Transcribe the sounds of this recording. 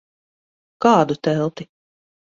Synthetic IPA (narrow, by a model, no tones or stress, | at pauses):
kɑːd̪ut̪ɛlˠt̪i